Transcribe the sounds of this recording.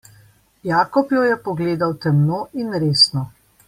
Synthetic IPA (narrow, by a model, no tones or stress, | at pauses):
jaːkɔpjɔjɛpɔɡleːd̪awt̪ɛmnoːʔinɾeːsnɔ